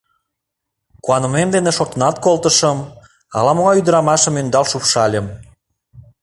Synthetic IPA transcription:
kuɑnə̆memd̪eneʃot̪ə̆nɑt̪̚kolt̪əʃəm | ɑ̰lɑmoɣɑjyd̪əɾɑmɑʃə̆mønd̪ɑlʃupʃɑlʲəm

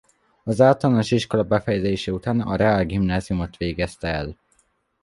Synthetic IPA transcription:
ɒzaːt̪ɒlnoʃiʃko̞lɒbɛfɛjɛzeːʃɛut̪aːnɒ̰ɾɛaːlɡimnaːzijumo̞t̪ʋeːɡɛst̪ɛɛl

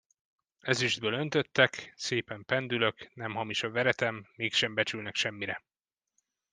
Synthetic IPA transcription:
ɛzyʒd̪̚bøːlø̞n̪t̪ø̞t̪ːɛkseːpɛmpɛnd̪ylø̞knɛmɦɒmiʃɒvɛɾɛt̪ɛmːeːkʃɛmbɛt͡ʃylnɛkʃɛmːiɾɛ

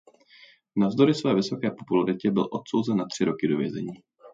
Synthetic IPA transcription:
navzdo̞ɾɪsvɛːvɪso̞kɛːpo̞pulaɾɪcɛbɪlʔo̞t̪sowzɛnːat̪r̝̥ɪɾo̞kɪdo̞vjɛ̰zɛ̰ɲiː

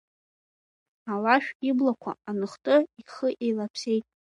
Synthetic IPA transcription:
awaʃᶣiblakʷʰa̰anɨχtʼɨiχəʔejlapʰse̞jtʼ

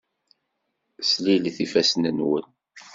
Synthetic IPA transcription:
slilθifæsnənwə̰n

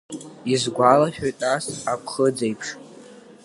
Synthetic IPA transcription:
izɡʷalaχʲᶣojtʼasapʰχəd͡zejpʰʂ

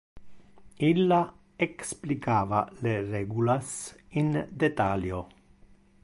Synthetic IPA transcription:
ilːa | eksplikaːvalereɡulasind̪et̪aljo

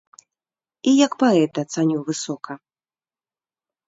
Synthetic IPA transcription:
ijɐkpaɛt̪ɐːt̪sanʲuvɨsɔkɐ

